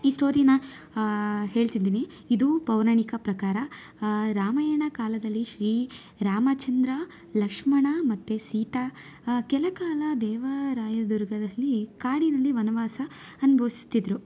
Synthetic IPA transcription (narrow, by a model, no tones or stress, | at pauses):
iːsʈo̞ːɾijɐnːɐ | ɦe̞ːɭt̪id̪iːni | id̪upɐwɾaɳikɐpɾɐkaːɾɐ | ɾaːmɐjɐɳɐkaːlɐd̪ɐlːiʃɾiː | ɾaːmɐt͡ʃɐnd̪ɾɐ | lɐkʂmɐɳɐmɐt̪ːesiːt̪a | kɛlɐkaːlɐd̪ɛːʋɐɾaːjɐd̪uɾɡɐd̪ɐlːikaːɽinɐlːiʋɐnɐʋaːsɐɐnubʱɐʋsi̥st̪id̪ɾu